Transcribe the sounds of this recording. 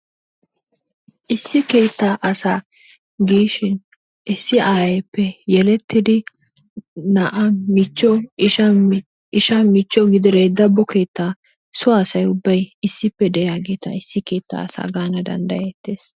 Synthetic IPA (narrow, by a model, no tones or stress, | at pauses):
ʔɪsːɪke̞ːt̪ːaʔɐsaː | ɡiːʃɪn | ʔɪsːɪʔaːjɛpːɛjɛlɛt̪ːɪd̪ɪ | nɐʔɐmɪt͡ʃːɔɪʃɐm | ʔɪʃɐmɪt͡ʃːɔɡɪd̪ɪɾed̪ɐbːɔke̞ːt̪ːaː | sʊaːsɐjʊbːɐjɪsːɪpːɛd̪ɛjaːɡe̞ːt̪ɐ̰ɪsːɪke̞ːt̪ːa̰ːsa̰ːɡaːnɐd̪ɐ̰nd̪ɐjɛt̪ːe̞ːs